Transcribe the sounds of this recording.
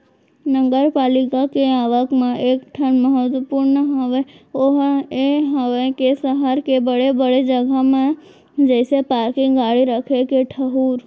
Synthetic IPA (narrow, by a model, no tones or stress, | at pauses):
nəŋɡəɾpalikakeaʋəkmãʔekʈʰəɳməɦət̪ʋəpuɾnəɦəʋeoɦeɦəʋekesəɦaɾkebəɭebəɭed͡ʒəɡʱamã | d͡ʒəjsepaɾkĩɡaɭiɾəkʰekeʈʰəɦuɾ